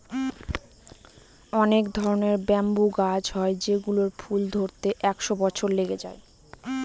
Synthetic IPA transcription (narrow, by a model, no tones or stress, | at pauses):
ɔnekd̪ʱɔɾoneɾbɛmbuɡad͡ʑɦɔed͡ʑeɡuloɾfʰuld̪ʱoɾt̪eʔɛkʃobɔt͡ɕʰoɾleɡed͡ʑae